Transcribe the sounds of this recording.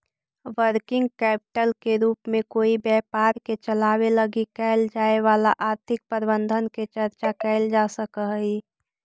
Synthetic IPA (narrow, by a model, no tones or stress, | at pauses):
ʋəɾkɪ̃ŋɡ̚kɛːpɪ̥ʈəlkeɾuːpmẽkoːibjɛːpaːɾket͡ʃəlaːweləɡikɛɪld͡ʒaːeʋaːla̰ʔaːɾt̪ʰɪk̚pəɾbə̃nd̪ʱənket͡ʃəɾt͡ʃakɛɪld͡ʒaːsəkəɦi